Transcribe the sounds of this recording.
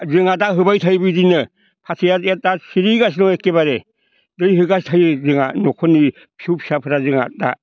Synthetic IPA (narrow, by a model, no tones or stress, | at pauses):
zɯŋadaɦɯbajtʰajbɯdinɯ | pʰatʰijaet̚asiɾiɡasnɔekːebaɾe | dɯjɦɯɡastʰajzɯŋanɔkʰɔni | pʰiupʰi̥sapʰɯɾazɯŋa̰da̰